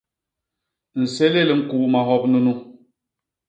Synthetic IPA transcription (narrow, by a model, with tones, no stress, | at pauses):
n̩˨se˦le˦˨lŋ̩˨ku˨ʔma˨ɦɔ˦p̚nu˦nu˦